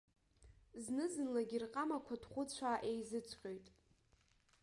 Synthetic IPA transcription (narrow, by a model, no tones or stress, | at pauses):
znɨzɨnlaɡʲirqʼamakʷʰadχʷʊt͡sʷʰaːʔejzɨt͡sʷʰqʲʼo̞jtʼ